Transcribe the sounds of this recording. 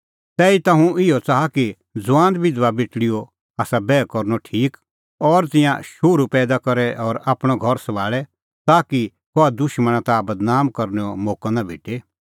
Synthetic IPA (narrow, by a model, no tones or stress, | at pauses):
t̪ɛːit̪ãɦũɪjɔt͡saːaki | d͡zʊʋãːnd̪bɪd̪ʋabɪʈɽɪjɔ | aːsabɛːkɔɾnɔʈʰiːk | ɔɾt̪ɪ̃jã̰ʃoɾupɛːd̪akɐɾɛʔɔɾaːpɽ̃ɔɡʱɔɾsɐʋaːɭɛ | t̪aːki | kɔad̪ʊʃmə̃ɽ̃ãt̪abɐd̪naːmkɐɾnɛɔmoːkɔ̃nabʱḛːʈe